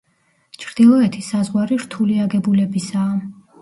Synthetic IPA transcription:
t͡ʃʰɾd̪̥ilˠɔɛt̪ʰisazʁwaɾiɾt̪ʰuliaɡɛbulɛbisaː

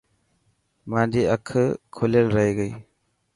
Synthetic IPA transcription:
madiakʰɯkʰolelɾajɡɯj

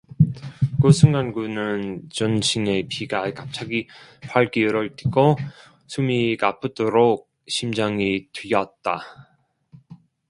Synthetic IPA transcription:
kosʰɯŋɡanɡunɯnt͡ɕʌnɕʰiŋe̞piɡakap̚t͡ɕʰaɡipʰaɭkiɯɾʌɭt͈i̥ɡo | sʰumikapʰɯdoɾok̚ɕʰimd͡ʑaŋitijʌt̚t͈a

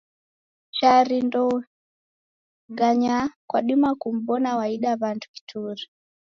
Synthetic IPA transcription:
ʃaɾindɔ | ɡaɲakwaɗimakum̩bɔnawaiɗaβantu̥ki̥tʰuɾi

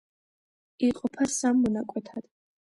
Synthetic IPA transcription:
iqʼɔpʰasamːɔnakʼwɛt̪ʰad̪̥

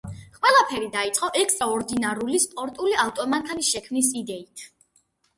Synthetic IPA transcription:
qʼwɛlˠapʰɛɾid̪ait̪sʼɔʔɛkʰsaɔɾd̪inaɾulispʼɔɾt̪ʼuliaft̪ʼɔmaŋkʰanisʃɛkʰmnisid̪ɛit̪ʰ

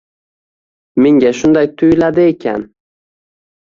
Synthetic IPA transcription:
meŋɡʲaʃʊnd̪ajt̪ʰʊjlad̪ɪekʲʰa̰n

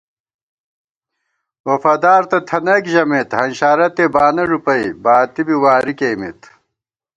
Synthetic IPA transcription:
wɐfad̪aːɾt̪ɐt̪ʰɐnɐkʑɐmet̪hɐnɕaːɾɐt̪ebaːnɐɾupɐjbaːt̪ibiwaːɾikeːmḭt̪

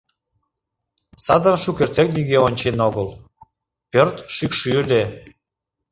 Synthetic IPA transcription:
sɑd̪ə̆nʃukert͡sek̚nyɣeonʲt͡ɕenoɣəl | pørt̪ʃykʃyle

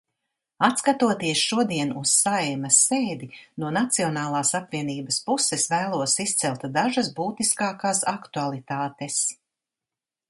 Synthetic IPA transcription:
at̪skat̪uɔt̪iɛsʃuɔd̪iɛnusːajmɐsːeːd̪inuɔnat̪siɔnaːlˠaːsapviɛniːbɐspusɛsvæːlˠuɔsist̪sɛlˠt̪d̪aʒɐsbuːt̪iskaːkaːsakt̪ualˠit̪aːt̪es

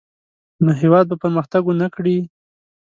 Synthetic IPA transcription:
noɦewɑd̪̚bapəɾməxt̪aɡonakɽi

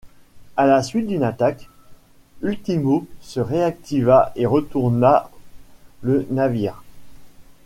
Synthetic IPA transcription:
alasɥit̪̚d̪ynat̪ak | ylt̪imosəʁeak̚t̪ivaeʁət̪uʁna | lənaviːʁ

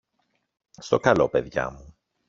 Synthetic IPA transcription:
st̪o̞kɐlo̞peðʝɐ̰mu

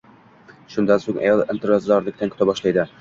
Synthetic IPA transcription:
ʃʊnd̪ansoŋa̰jɒlˠɪmt̪ʰɪɾɒzd̪ɑɾlɪkʲt̪ankʲʰʊt̪ʰabɒʃlˠajd̪ɪ

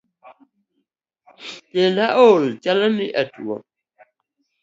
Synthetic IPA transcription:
telaʔolt͡ʃaləniʔatuɔ̰

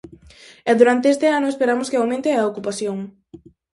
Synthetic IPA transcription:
ɛðuɾant̪eest̪eanʊespeɾamʊskeawmẽnt̪eɐokupaθjoŋ

